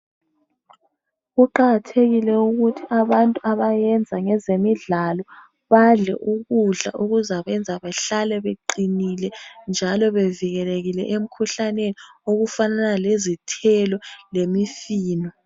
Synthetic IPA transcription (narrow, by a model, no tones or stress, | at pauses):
ɣuǃaɣatʰeɣilɛuɣutʰiʔaβantʼuaβajɛnd͡zʱaŋɛzemiɮalɔ | βaɮɛ̰ʔuɣuɮa̰ʔuɣuzaβɛnd͡zʱaβaɬalɛβeǃinilɛnd͡ʒʱalɔβeviɣɛleɣilɛ̰ʔem̩kʰuɬanenioɣufananalezitʰɛlɔlemifiːnɔ